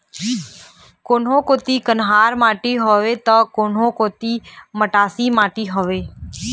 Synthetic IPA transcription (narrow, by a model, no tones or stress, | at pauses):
koːn̤õːkoːt̪iːkənɦaːɾmãːʈiːɦoːʋeːt̪əkoːnɦõːkoːt̪iːməʈaːsiːmãːʈiːɦoːʋeː